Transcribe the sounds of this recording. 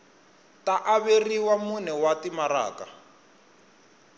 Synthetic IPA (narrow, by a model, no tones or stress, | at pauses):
taʔaβeriwamunɛwatimaɾa̰ːka